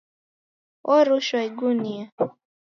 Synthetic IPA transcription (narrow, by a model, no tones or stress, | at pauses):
ʔɔɾuʃwaiɡunia